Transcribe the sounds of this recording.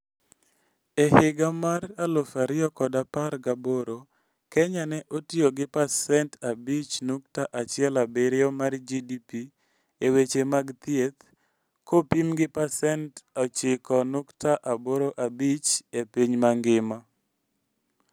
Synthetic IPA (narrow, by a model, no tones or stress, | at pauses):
ehɪɡamaralofaɾɪɔkɔdaparɡaboɾo | kɛɲanɛʔotioɡɪpasɛntabit͡ʃnuk̚taʔat͡ʃɪɛlabeɾɪomaɾd͡ʒidipi | ewet͡ʃemaɡt̪jet̪ | kopimɡɪpasɛntɔt͡ʃɪkɔnuktaʔaboɾoʔabit͡ʃepiɲmaŋɡɪma